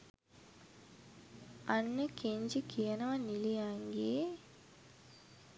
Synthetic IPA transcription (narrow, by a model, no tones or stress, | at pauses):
anːəkeɲd͡ʒikijɐnɐʋɐnilijaŋɡeː